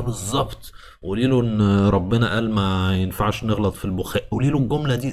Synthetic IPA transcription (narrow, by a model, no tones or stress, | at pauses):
bezˤːɑbt̪ˤ | weliːloʔenːɾˤɑbːenæʔæːlmæjenfaʕʃneɣlɑt̪ˤfilboxæːʔweliːloɡːomlæd̪iː